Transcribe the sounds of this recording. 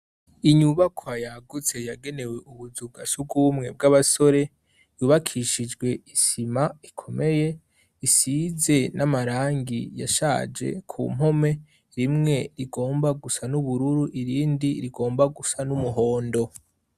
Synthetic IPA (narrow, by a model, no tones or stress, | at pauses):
iɲuβakʰoajaɡut͡se̞jaɡe̞ne̞we̞ʔuβuzuɡasub̚ɡumŋe̞b̚ɡaβaso̞ɾe̞ | juβakʰiʃid͡ʒɡwe̞isimaikʰo̞mʔe̞je̞ | isize̞nʔamaɾaːŋɡija̰ʃa̰ːd͡ʒe̞̰kʰṵːmɦo̞me̞ | ɾimŋe̞ɾiɡo̞ːmbaɡusanuβuɾuɾuʔiɾiːndiɾiɡo̞ːmbaɡusanumuɦo̞ːndo̞